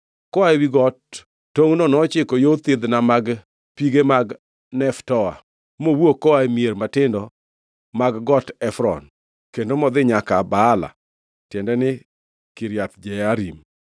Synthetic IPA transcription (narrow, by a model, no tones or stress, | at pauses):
kɔaewiɡɔtː | oŋnonɔt͡ʃɪkojot̪ɪd̪namaɡ | piɡemaɡ | nɛftɔa̰ | mowwokɔaemjeɾmatɪndɔ | maɡɡɔtɛfɾɔ̰n | kendomɔd̪ɪɲakabaːla̰ | tjɛndɛnɪ | kiɾjat̪d͡ʒɛaɾim